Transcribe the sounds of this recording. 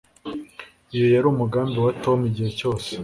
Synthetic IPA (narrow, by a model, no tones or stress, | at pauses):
ijo̞jaɾuːmuɡaːmbiwato̞miɟihe̞co̞ːse̥